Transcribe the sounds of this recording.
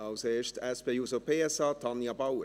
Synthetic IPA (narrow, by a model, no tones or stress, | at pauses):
ɑʊseːʃtɛspejusopʰeːɛsɑːtʰɑnjɑbawə